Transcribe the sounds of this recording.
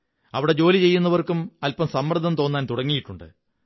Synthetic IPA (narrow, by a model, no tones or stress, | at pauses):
ɐʋiɽe̞d͡ʑo̞ːlit͡ɕe̞jːunːɐʋɐrkumɐlpɐmsɐmːrɐd̪ʱːɐmt̪oːnːaːnt̪uɽɐŋːijiʈːuɳɖɨ̰